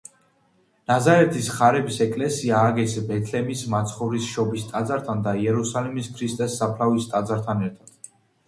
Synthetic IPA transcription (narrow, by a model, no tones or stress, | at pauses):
nazaɾɛt̪ʰisχaɾɛbisɛkʼlɛsiaːɡɛsbɛt̪ʰlɛmismat̪sʰχɔvɾisʃɔbist̪ʼad̪zaɾt̪ʰand̪aiɛɾusalimiskʰɾist̪ʼɛsːapʰlavist̪ʼad̪zaɾt̪ʰanɛɾt̪ʰad̪̥